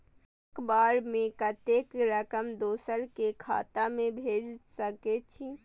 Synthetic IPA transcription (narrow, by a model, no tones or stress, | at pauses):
kbaɾmẽkət̪ekɾəkəmd̪osəɾkekʰa̰t̪amẽbʱed͡ʒsəkɛt͡ʃʰi